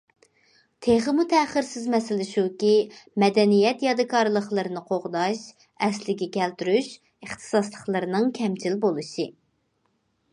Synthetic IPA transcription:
t̪ʰeχəmut̪ʰɛχəɾsɪzmɛsɪlɪʃukʲimɛd̪ɛnijɛt̪jɑd̪ɨkʰɑɾlˠəχlˠɨɾɨnɨqʰoʁd̪ɑʃ | ɛslɪɡʲɛkʲʰɛlt̪yɾyʃ | əχt̪ʰɨ̥sɑslˠəχlˠɨɾɨnɨŋkʲʰɛmt͡ʃʰilbolˠuʃi

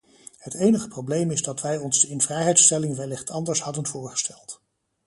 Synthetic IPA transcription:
hətejnəχə̥prowblejmɪzdɑtʋɛjɔnzdəɪnvrɛjɦɛjtstɛlɪŋʋɛlɪχtʰɑndəɹshɑdənvʊːɹχə̥stɛlˠt

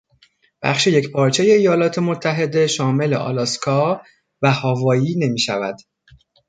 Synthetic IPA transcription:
b̥æ̰xʃeje̞cpʰɒːɾt͡ʃʰe̞je̞ijɒːlɒːt̪ʰe̞mo̞t̪ʰːæɦe̞d̪e̞ʃɒːme̞le̞̰ʔɒ̰ːlɒskʰɒː | væhɒːvɒːjiːne̞miːʃævæd̪̥

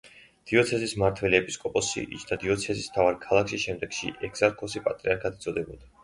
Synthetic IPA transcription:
d̪̥iɔt̪sʰɛzismaɾt̪ʰwɛliɛpʼiskʼɔpʼɔsḭḭt͡ʃʰd̪ad̪iɔt̪sʰɛzism̥t̪ʰavaɾkʰalˠakʃiʃɛmd̪ɛɡʃḭʔɛɡz̥aɾkʰɔsipʼat̪ʼɾiaɾkʰad̪ʰit̪zʼɔd̪ɛbud̪̥a

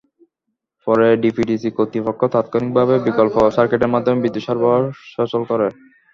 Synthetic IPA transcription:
pɔɾeɖipʰiɖisikot̪ːipokʰːot̪at̪kʰonik̚bʱaβebikolpoʃaɾkeʈeɾmad̪ʱːomebid̪ːoʃɔɾboʃɔt͡ɕolkɔɾe

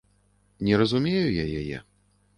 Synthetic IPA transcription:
nʲɛɾɐzumʲejujajajɛ̰

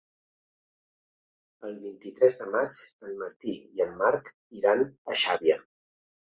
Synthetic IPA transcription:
əlˠβint̪it̪ɾɛzðəmad͡ʒəlməɾt̪iiəmːaɾk | iɾanəʃaβjə

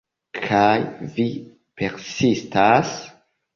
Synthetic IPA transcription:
kʰajvi | pe̞ɾsistas

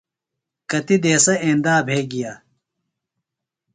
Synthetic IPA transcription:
kɐt̪id̪eːsɐẽːnd̪aːbʱeːɡijaː

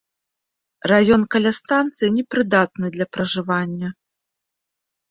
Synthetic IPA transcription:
rajɔnkɐlʲast̪ant̪sɨjinʲɛpɾɨd̪at̪nɨd̪lʲɐpɾɐʐɨvanʲːɐ

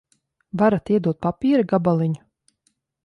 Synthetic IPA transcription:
vaɾat̪iɛd̪uɔt̪̚papʲiːɾaɡabalˠiɲu̥

